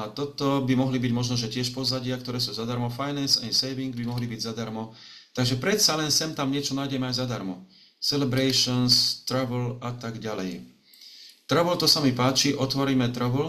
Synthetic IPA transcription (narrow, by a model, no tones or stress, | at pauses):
at̪ɔt̪ɔbimɔɦlibiɟmɔʒnɔʒɛcɪɛʃpɔzaɟɪakt̪ɔɾɛːsuːzad̪aɾmɔfajnɛnsɛnsɛjʋiŋɡ̚bimɔɦlibiɟzad̪aɾmɔt̪aɡʒɛpɾɛt̪salɛnsɛmt̪amɲɪɛt͡ʃɔnaːjɟɛmɛajzad̪aɾmɔ | sɛlɛbɾɛjʃɔnst̪ɾaʋlat̪aɡɟalɛ̰j | t̪raʋlt̪ɔsamipaːt͡ʃiʔɔt̪ʋɔɾiːmɛt̪ɾɔʋl